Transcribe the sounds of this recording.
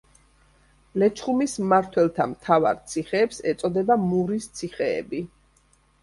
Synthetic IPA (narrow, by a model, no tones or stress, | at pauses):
lɛt͡ʃʰχumismaɾt̪ʰwɛlˠt̪ʰamt̪ʰava̰ɾt̪sʰiχɛːpsɛt̪sʼɔd̪ɛbamuɾist̪sʰiχɛ̰ːbi